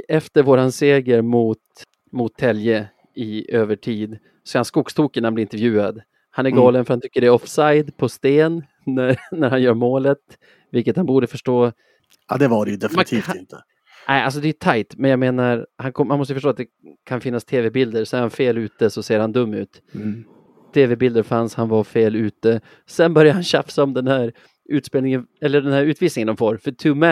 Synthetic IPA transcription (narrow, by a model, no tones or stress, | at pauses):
ɛft̪əɾvoːɾanseːɡəɾmʊt̪ | mʊt̪ʰːɛljə | ɪøːvəʈʰiːd̪ | sɔseːɾhanskʊkst̪ʰuːkənːahamblɪnt̪əɾvjʉ̟ːad̪ | hanæɾɡɑːlənfœɾhant̪ʏkːəɖɛɔfsajd̪pʰɔst̪eːnː | æɾnæɾhanjœːɾmoːlət̪ | vɪlkət̪hanbuːɖəfœʂʈoː | ɑ̰d̪ɛvaɖɛjɵd̪ɛft̪ʰiːtɪnt̪ʰə | ɛɪa̰ls̬ɔd̪ɛɛt̪ʰajt̪mɛnjaɡmeːnaɾhankʰɔmanmɔst̪əfœʂʈoːt̪̚d̪ɛ | kʰanfɪnːast̪ʰeːvɛbɪld̪əɾsɔnæɾhanfeːlʉ̟ːt̪əsɔseːɾhand̪ɵmːʉ̟ːt̪ | t̪ʰːeːvɛbɪld̪əɾfanshanvaɾfeːlʉ̟ːt̪ə | sɛnbœɾjahanɕafsaɔmd̪ɛnhæɾ | ʉ̟ːt̪speːlnɪŋənɛlːəɖɛnhæːɾʉ̟ːt̪viːsnɪŋənd̪ɔmfoːɾfœʈʰʉːmæ